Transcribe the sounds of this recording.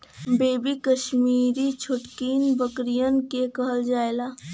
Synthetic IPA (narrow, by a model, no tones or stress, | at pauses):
beːbikəʃmiːɾit͡ʃʰʊʈkiːnbəkɾijənkekəɦəld͡ʒaːelaː